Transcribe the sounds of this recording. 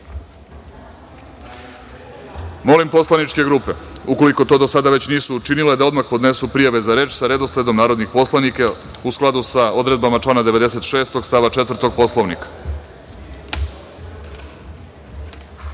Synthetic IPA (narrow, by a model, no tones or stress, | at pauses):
mo̞limpo̞slˠanit͡ʃke̞ɡɾuːpe̞uko̞liko̞t̪o̞ːd̪osad̪aʋe̞t͡ɕniːsuːt͡ʃiniled̪ao̞d̪maxpo̞d̪ne̞supɾijaʋe̞zaɾe̞ːt͡ʃsaɾe̞d̪osled̪o̞mnaːɾo̞d̪nixpo̞slˠanika | usklˠad̪usao̞d̪ɾe̞d̪̚bamat͡ʃlˠanad̪eʋe̞d̪ese̞t̪ʃe̞ːst̪o̞ɡst̪aʋat͡ʃe̞t̪vr̩t̪o̞ɡ̚po̞slˠoʋnḭkḁ